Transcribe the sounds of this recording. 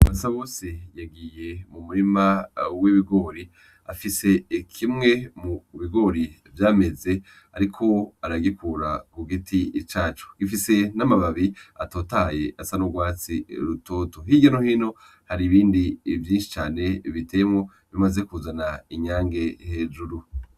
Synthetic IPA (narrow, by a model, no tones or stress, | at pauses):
wβasaβo̞ːse̞jaɡije̞mumuɾimawiβiɡo̞ɾi | afise̞ikʰimŋe̞muβiɡo̞ɾi | vjaːme̞ze̞ | aɾikʰo̞aɾaɡikʰuɾakuɡitʰit͡ʃaːt͡ʃu̥ɡ̥ifise̞namaβaβiato̞ːtaje̞ʔasanoɡwaːt͡sḭɾuto̞ːto̞ɦiɟanohino̞ | haɾiβiːndivjiːnʃi̥t͡ʃaːne̞βitejemŋo̞ | βimaze̞kuzanaiɲaːŋɡe̞he̞ːʒuɾu